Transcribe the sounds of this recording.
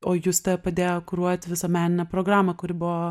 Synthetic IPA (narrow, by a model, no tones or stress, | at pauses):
oːjuːst̪ɐpɐd̪ʲeːjoːkʊɾuɔjt̪ʲʋʲɪsɐmʲæːnʲɪnʲɛpɾoːɡɾɑːmɐkʊɾʲɪbʊʋoː